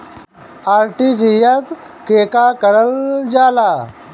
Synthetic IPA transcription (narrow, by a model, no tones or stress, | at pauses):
aːɾʈid͡ʑijas | keːkakəɾəld͡ʒaːlaː